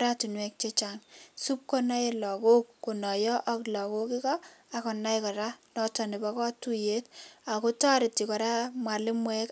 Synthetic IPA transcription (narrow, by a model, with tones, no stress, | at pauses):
ɾatu˨nwɛ˦k̚t͡ʃe˦t͡ʃaŋsu˦p̚kɔ˦na˦je˦lɔ˨ko˦kːo˨nɔ˨jɔ˦ʔɔ˦klɔ˨ko˦kɪ˦kɔ˦a˨kɔ˨na˦jkɔ˨ɾa˦nɔ˨tɔ˨nɪ˨ba˦kɔ˦tu˦je˦ta˨ko˦ta˦ɾɪ˨ti˨kɔ˨ɾa˦mwa˨lɪ˦mwɛ˦k